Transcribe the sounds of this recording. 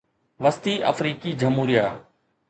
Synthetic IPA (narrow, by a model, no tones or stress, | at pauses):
ʋəst̪iːʔə̰fɾiːkiːd͡ʒəmɦuːɾijaː